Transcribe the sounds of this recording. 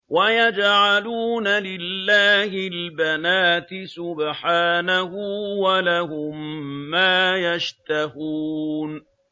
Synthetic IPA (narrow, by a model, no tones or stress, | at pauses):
wajad͡ʒʕaluːnalɪlːaːhɪlbanaːt̪ɪsʊbħaːnahuwalahʊmːaːjaʃt̪aɦuːn